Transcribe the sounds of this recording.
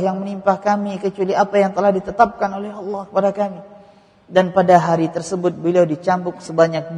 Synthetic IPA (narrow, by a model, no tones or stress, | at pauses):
jaŋmənimpahkamikət͡ʃualiapajaŋt̪əlahdit̪ət̪ap̚kanolɛɦɑlːɑhkəpadakami | danpadaɦaɾit̪ərsəbʊt̪̚bəliawdit͡ʃambʊk̚səbaɲak̚d